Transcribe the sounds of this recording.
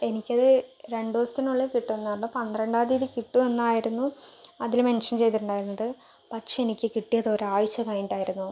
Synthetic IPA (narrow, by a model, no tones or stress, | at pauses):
e̞nikʲːɐðɨɾe̞ɳɖoːst̪ːinuɭːekiʈːuenːaːrlːupɐnd̪rɐɳɖaːðiːðikiʈːuenːaːjiɾunːuɐðilme̞nʂɐnt͡ɕe̞jt̪iʈːuɳɖaːjiɾunːɐðɨ | pɐʈʂeenikʲːɨkiʈːijɐðoːɾaːʋɐt͡ɕːɐkaːjniʈːaːjiɾunːu